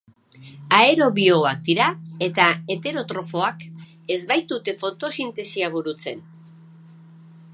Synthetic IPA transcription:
ae̞ɾo̞βio̞ak̚d̪iɾae̞t̪ae̞t̪e̞ɾo̞t̪ɾo̞fo̞ak | e̞zβajt̪ut̪e̞fo̞t̪o̞sint̪e̞siaβ̞uɾut͡se̞n

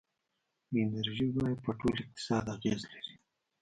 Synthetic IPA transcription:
ɪnaɾʒibɑjad̪̚pəʈolɪq̚t̪ɪ̥sɑd̪aɣezlaɾi̥

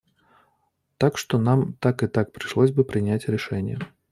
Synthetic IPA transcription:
t̪akʂt̪ɔnamt̪akɨt̪ak̚pɾɨʂlˠɔzʲbɨpɾɨnʲat͡sʲɾɛʂɛnʲjɛ̰

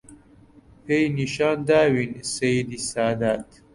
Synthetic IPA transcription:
pʰejniʃɑːnd̪aːwinsejid̪isaːd̪aːt̪

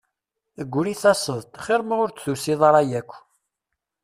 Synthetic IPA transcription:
əɡʷːɾiθɑsˤəðˤt̪χɪɾmʁʊɾt͡sθusiðˤɑɾˤɑjækʷː

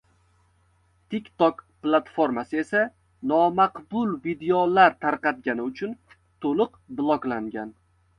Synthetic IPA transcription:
t̪ʰikʲt̪okplˠat̪fo̞ɾmasɪe̞sa | nɒmaqbʊlˠvid̪eolaɾt̪ʰaɾqɑt̪̚ɡʲanɪʊt͡ʃʰʊn | t̪ʰolʊq | blˠɒɡlaŋɡʲan

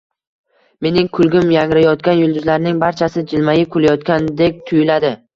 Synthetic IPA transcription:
me̞nɪŋkʰʊlˠɡʲɪmjaŋɾajɒt̪kʲanjʊlˠd̪ʊzlaɾnɪŋbaɾt͡ʃʰasɪd͡ʒɪlmajɪkʰʊlajɒt̪kʲand̪e̞k̚ʲt̪ʰʊjɪlad̪ɪ

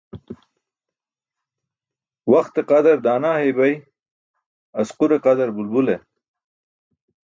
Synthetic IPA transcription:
waxt̪eqad̪aɾd̪aːnaːɦebaj | ɐsquɾeqad̪aɾbulbule

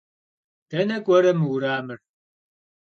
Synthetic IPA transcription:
tʰɐnɐkʷʼɐɾɐmɨwɾaːmɨr

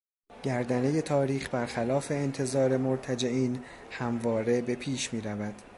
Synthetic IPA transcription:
ɟ̥æɾd̪æne̞je̞t̪ʰɒːɾiːxbæɾxælɒːfe̞ːnt̪ʰe̞zɒːɾe̞moɾt̪ʰæd͡ʒe̞iːnhæmvɒːɾe̞be̞pʰiːʃmiːɾævæd̪̥

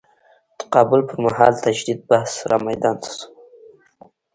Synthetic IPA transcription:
d̪̥ə̥qɑbʊlpəɾmaɦɑlt̪ad͡ʒd̪id̪̚bahsɾʔa̰majd̪ɑnss

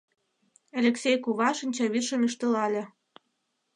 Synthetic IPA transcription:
elʲeksejkuβɑʃənʲt͡ɕɑβirʃə̆myʃt̪ə̆lɑlʲĕ

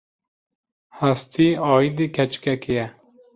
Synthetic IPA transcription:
hæst̪ʰiɑːid̪ikʰɛt͡ʃkɛkijɛ

